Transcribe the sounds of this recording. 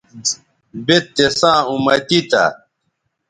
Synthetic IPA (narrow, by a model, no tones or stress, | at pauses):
bet̪ːesãːumɐt̪it̪a̰